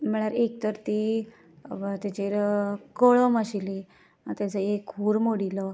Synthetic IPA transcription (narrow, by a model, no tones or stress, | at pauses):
m̤əɽ̃aɾek̚t̪əɾt̪i | t̪jat͡ɕeɾkəɭɔmaɕili | at̪jat͡səekɦuːɾmoɽilɔ